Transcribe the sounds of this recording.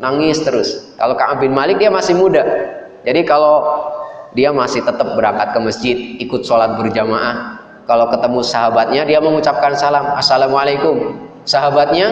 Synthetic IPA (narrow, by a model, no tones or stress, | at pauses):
naŋɪst̪əɾʊska̰lokaʔabɪnmalɪk̚diamasɪhmudah | d͡ʒadikalo | diamasɪht̪ət̪əp̚bəɾakat̪̚kəməsd͡ʒɪt̪̚ikʊt̪̚solat̪̚bərd͡ʒamaʔah | kalokət̪əmusaɦabat̪̚ɲadiaməŋut͡ʃap̚kansalamasalamwalajkʊm | saɦabat̪̚ɲa